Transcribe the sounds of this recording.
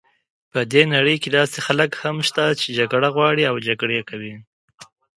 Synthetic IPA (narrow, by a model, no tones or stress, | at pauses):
pəd̪enaɽəjked̪ɑsexaləkhamʃt̪at͡ʃed͡ʒaɡɽaɣwɑɽiawd͡ʒaɡɽekawi